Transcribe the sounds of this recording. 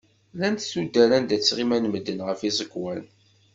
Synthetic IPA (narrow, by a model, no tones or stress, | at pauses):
lænt̪sud̪ːæɾænd̪æt͡sːʁimænməd̪ːənʁəfizˤəkːwæn